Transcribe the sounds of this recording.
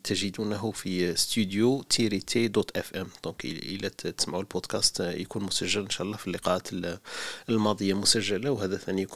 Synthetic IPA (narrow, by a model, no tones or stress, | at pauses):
t̪ʰəʒəd̪unɦʊfist̪yd̪jot̪ʰiɾit̪ʰed̪ɔt̪ʔɛfʔɛmd̪̥ɔ̃kʔə̰lːæt̪ə̥smaʕulbod̪kæst̪jkunmʊsæʒːələnʃæʔlːɑfilːiqɑʔat̪ | əlmɑd̪ˤəjːamʊsæʒːəlawhæd̪æθænijk